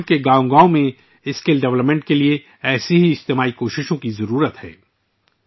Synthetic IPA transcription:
keɡãːõɡaːõmẽ | ɪskelɖɛʋləpmɛ̃ɳʈkelie | ɛːseɦiɪd͡ʒt̪eːmaːikoːʃɪʃõkizɐɾuːɾət̪hɛ̰ː

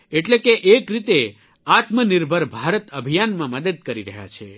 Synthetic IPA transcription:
eʈlekeʔekɾit̪e | at̪məniɾbʱəɾbʱaɾət̪əbʱijanmãməd̪əd̪̚kəɾiɾəɦja̰t͡ʃʰe

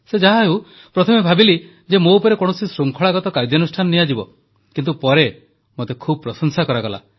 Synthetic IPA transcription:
sed͡ʒaɦaɦeu | pɾɔt̪ʰɔmebʱabili | d͡ʒemoupɔɾekɔɽ̃ɔsisɾuŋkʰɔɭaɡɔt̪ɔkaɾd͡ʒɔnusʈʰanɔniad͡ʒibɔ | kint̪upɔɾe | mot̪ekʰubɔpɾɔsɔŋsakɔɾaɡɔla̰

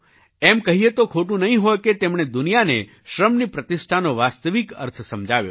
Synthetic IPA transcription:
ɛmkəɦiet̪okʰoʈũnəɦĩɦɔjket̪emɳ̃ed̪ʊnijanḛ | ʃɾəmnipɾət̪ɪsʈʰanoʋast̪əʋikə̰ɾt̪ʰsəmd͡ʒaʋjo̰

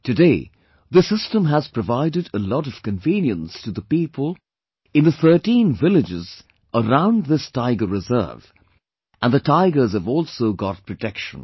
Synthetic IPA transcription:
tɨdeɪ | ðɨsɪstə̃məz̥pʰɹ̥ɨvaɪɾɨɾəlɔɾʌv̥kɨ̃ɱvĩnjə̃nstʰɨðəpipʰəlˠ | ɨ̃nðəθɜ˞tĩnvɪlɨd͡ʒɪz | əɹãʊ̃nðɪstʰaɪɡəɹɨzɜ̰˞v | ʔə̃nðɨtʰaɪɡə˞z̥ɨvɔlˠsoʊɡɑt̚pʰɹ̥ɨtʰɛkʃə̰̃n

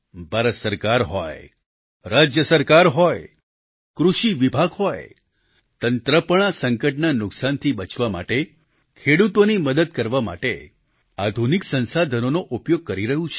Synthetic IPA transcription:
bʱaɾəsəɾkaɾɦɔj | ɾad͡ʒjəsəɾkaɾɦɔj | kɾuʃiʋibʱaɡɦɔj | t̪ənt̪ɾəpəɳ̃asəŋkəʈnanʊksant̪ʰibət͡ʃʋama̰ʈe | kʰeɽut̪oniməd̪əd̪̚kəɾʋama̰ʈḛ | ad̪ʱuniksə̃nsad̪ʱənonoʔupjoɡ̚kəɾiɾəɦũt͡ʃʰ

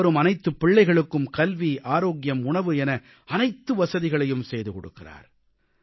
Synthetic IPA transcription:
ɐɾɯmɐnɐɪt̪ːɯpːɪɭːɐɪɣɐɭɯkːɯmkɐlʋiʔaːɾoːɡɪjɐmʊɳɐʋɯɛnɐ | ɐnɐɪt̪ːɯʋɐsɐðɪɣɐɭɐjɯmsɛjðɯkɔɽɯ̰kːɪra̰ːɾ

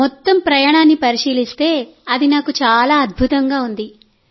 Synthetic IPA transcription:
mɔt̪ːɐmpɾɐjaːɽaːnːipɐɾiʂiːlist̪e̞ːɐd̪inaːkut͡ʃaːlaːɐd̪̚bʱut̪ɐŋɡaːund̪i

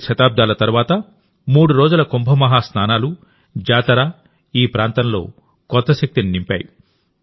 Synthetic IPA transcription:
ʃɐt̪aːb̚d̪aːlɐt̪ɐɾʋaːt̪ɐ | muːɽuɾo̞ːd͡ʒulɐkombʱɐmɐɦaːsnaːnaːlu | d͡ʒaːt̪ɐɾaː | iːpɾaːnt̪ɐnlo̞̰ː | kɔt̪ːɐʃɐk̚t̪ininimpʲa̰ːju

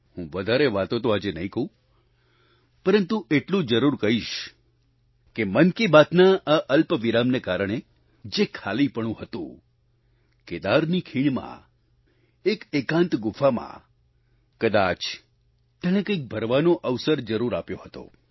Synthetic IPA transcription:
ɦũʋəd̪ʱaɾeʋat̪õt̪oad͡ʒenəĩkəɦũ | pəɾənt̪uʔeʈlũd͡ʒəɾuɾkəɦiʃ | kemənkibat̪naaʔəlpʋiɾamnekaɾəɳ̃e | d͡ʒekʰalipəɳ̃ũɦət̪ṵ̃ | ked̪aɾnikʰiɳmã̰ | ekekãnt̪ɡʊfʰamã̰ | kəd̪at͡ʃ | t̪jəɽ̃ekə̃ik̚bʱəɾʋanoʔəʋsəɾd͡ʒəɾuɾapjoɦət̪o̰

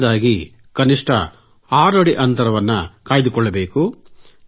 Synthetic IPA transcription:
d̪aːɡi | kɐniʂʈʰɐ̰ | aːɾɐɽiʔɐnt̪ɐɾɐʋɐnːɐkaːjid̪ukɔɭːɐbe̞ːku

